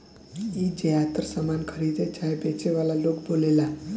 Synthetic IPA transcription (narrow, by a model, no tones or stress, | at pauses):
id͡ʒeat̪ɾsəmankʰəɾid̪et͡ʃaɦebet͡ʃeʋalalokbolela